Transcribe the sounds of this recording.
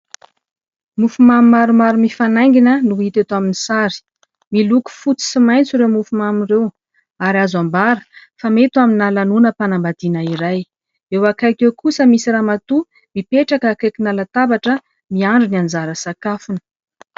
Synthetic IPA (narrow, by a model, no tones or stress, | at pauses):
mufumamimaɾumaɾumifanajŋɡinənuit̪et̪aminisaɾi̥ | miluku̥fut͡si̥simajnt͡siɾewmufumamirew | aɾazambaɾə̥famet̪uaminalanunəpanambad̪̥inəiɾaj | ewakajkewkusəmisiɾaːmat̪u | mipeʈ͡ʂakəkakinalat̪abaʈ͡ʂə | miaɳɖ͡ʐiniand͡zaɾəsakafunə̥